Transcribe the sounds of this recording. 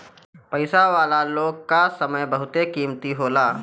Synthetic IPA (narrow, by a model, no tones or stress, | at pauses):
pɐɪsaʋaːlaloːɡ̚kasɐməjbɐɦʊt̪ekiːmt̪iɦoːlaː